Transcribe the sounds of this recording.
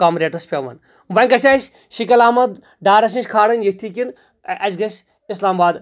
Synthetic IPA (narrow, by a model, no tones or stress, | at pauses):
kaːmɾeːʈɐspʲemɐ̰n | ʋɐŋʲkɐsasʲ | ʃikɐlaːmɐd̪ | ɖaːɾɐs̬ĩnʃʲkʰaːɽɐnjɐt̪ʰikin | ʔɐzɡɐsʲ | islaːmbaːd̪